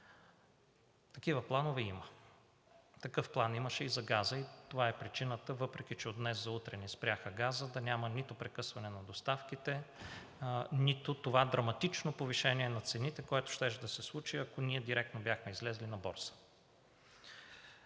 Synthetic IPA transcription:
t̪ɐkivəplˠanovɛimə | t̪ɐkɤfplˠaniməʃɛizɐɡazəit̪ovaɛpɾit͡ʃinət̪əvɤpɾɛk̟it͡ʃɛod̪nɛszɐut̪ɾɛnispɾʲjaxəɡazəd̪ɐnʲamənit̪ʊpɾɛkɤsvɐnɛnɐd̪ost̪afkit̪ɛ | nit̪ʊt̪ovad̪ɾɐmɐt̪it͡ʃnopoviʃɛniɛnɐt̪sɛnit̪ɛkoɛt̪ʊ̥ʃt̪ɛʃd̪ɐsɛslˠut͡ʃiɐkoniɛd̪iɾɛk̚t̪nobjaxmɛizlɛzlinɐbɔɾsə̥

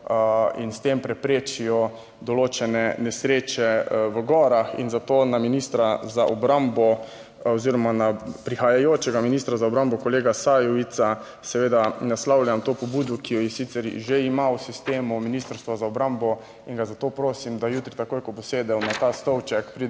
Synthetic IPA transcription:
ḭnst̪empɾɛpɾeːt͡ʃijɔ | d̪ɔloːt͡ʃɛnɛnɛsɾeːt͡ʃɛʋəɡɔɾaxḭnzat̪oːnaminist̪ɾazaʔɔbɾambɔ | ɔziɾɔmanapɾixajajoːt͡ʃɛɡaminist̪ɾazaɔbɾambɔkɔleːɡasajɔʋit̪sa | sɛʋeːd̪anaslawlʲamt̪oːpɔbuːd̪ɔkijɔjɛsit̪sɛɾʒeimawsist̪eːmuminist̪ɾst̪ʋazaɔbɾambɔ | iŋɡazat̪opɾoːsimd̪ajuːt̪ɾit̪akoːjkɔboseːd̪ɛwnat̪aːst̪ɔwt͡ʃɛkpɾi

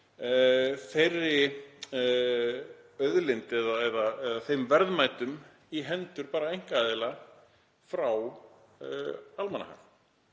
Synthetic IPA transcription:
θejrːɪ | œðlɪnt̪ɛðaɛðaɛðaθejmvɛɾðmaːjt̪ʏm | iɦɛnt̪ʏɾpaːɾaejŋ̥kaːðɪla | fɾaw | almana̰ha̰v

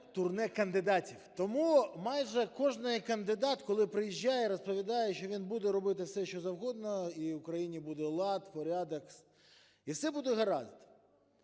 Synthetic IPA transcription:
t̪ʊrnɛkɐnd̪ɪd̪ɑtʲiwt̪ɔmumɑjʒɛkɔʐnɪjkɐnd̪ɪd̪ɑt̪kɔlˠɪpɾɪjiʒʲːajɛɾɔspɔʋʲid̪ɑjɛʃt͡ʃɔʋʲinbud̪ɛɾɔbɪt̪ɪwsɛʃt͡ʃɔzɐwɦɔd̪nɔiʊkɾɐjinʲibud̪ɛlˠɑt̪pɔɾʲɑd̪ɐks | iwsɛbud̪ɛɦɐɾɑ̰zt̪ɪ̥

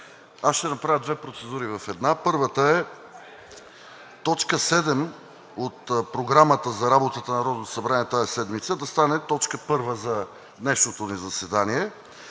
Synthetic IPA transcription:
asʃt̪ɛnɐpɾavʲjəd̪vɛpɾot̪sɛd̪uɾivɐfɛd̪napɤɾvət̪əɛ | t̪ɔt͡ʃkəsɛd̪ɛm | ot̪pɾoɡɾamət̪əzɐɾabot̪ət̪ənɐɾɔd̪zsɐbɾaniɛt̪aɛsɛd̪mit̪səd̪ɐst̪anɛt̪ɔt͡ʃkəpɤɾvəzɐ | d̪nɛʃnot̪onizɐsɛd̪aniɛ

